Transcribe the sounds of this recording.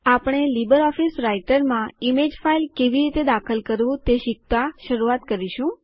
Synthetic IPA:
apɽ̃elibəɾɔfisɾaiʈəɾmãimed͡ʒfailkeʋiɾit̪ed̪akʰəlkəɾʋũt̪eʃɪk̚t̪aʃəɾuat̪kəɾiʃũ

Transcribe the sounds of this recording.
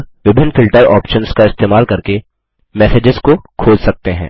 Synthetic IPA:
ʋɪbʱɪnːfɪlʈəɾɔ̰ːpʃənskaɪst̪eːmaːlkɐɾke | mɛːseːd͡ʒɪzkokʰoːd͡ʒsɐk̚t̪eɦɛ̰̃ː

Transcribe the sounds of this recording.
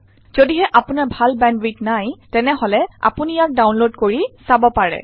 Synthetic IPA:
z̥odiɦɛʔapʊnaɹbʱalbɛndɹitnajtɛnɛɦolɛa̰punijak̚dawnlodkoɹisabɔpaɹɛ̰

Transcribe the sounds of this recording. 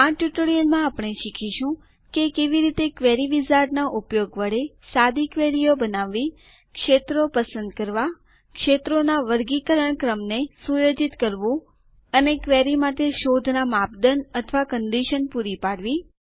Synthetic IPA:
aʈjuʈoɽijəlmãːpɳ̃eʃikʰiʃũ | kekeʋiɾit̪ekʋɛɾiʋizaɾnaʔupjoɡʋəɽe | sad̪ikʋeɾijobənaʋːi | kʃet̪ɾopəsə̃nd̪̚kəɾʋa | kʃet̪ɾonaʋəɾɡikəɾəɳkɾəmnesujod͡ʒit̪kəɾʋũ | ənekʋeɾimaʈeʃod̪ʱnamap̚d̪ənət̪ʰʋakənɖ̪iʃənpuɾipaɽʋi

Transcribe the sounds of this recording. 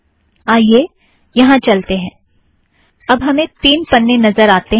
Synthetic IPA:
aːieː | jɐɦãt͡ʃɐlt̪eɦɛ̃ː | ɐbɦɐmẽt̪iːnpɐnːenɐzəɾaːt̪e

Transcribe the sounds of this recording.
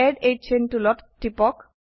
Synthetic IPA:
ɛɖej̚t͡ɕʰenʈulɔtʈːipɔk

